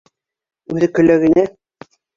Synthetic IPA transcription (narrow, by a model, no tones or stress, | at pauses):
ʉðɘkɵ̆læɣɘ̆næ